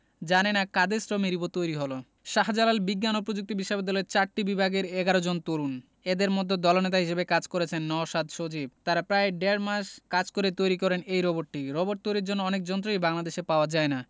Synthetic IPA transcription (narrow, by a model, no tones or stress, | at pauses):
d͡ʑanenakad̪esɾɔmiɾibot̪ojɾiɦolo | ʃaɦad͡ʑalalbiɡːanop̬ɾod͡ʑuk̚t̪ibiʃːabid̪ːɔleɾt͡ɕaɾʈibibʱaɡeɾeɡaɾod͡ʑont̪oɾun | ed̪eɾmod̪ʱːed̪ɔlonet̪aɦiʃebekad͡ʑkoɾet͡ɕʰenːɔoʃad̪ʃod͡ʑib̚t̪aɾapɾaeɖeɾmaʃkad͡ʑkoɾet̪ojɾikɔɾenejɾɔboʈʈiɾɔboʈ̚t̪ojɾiɾd͡ʑonːoɔnek̚d͡ʑɔnt̪̬ɾojbaŋlad̪eʃepaoad͡ʑaena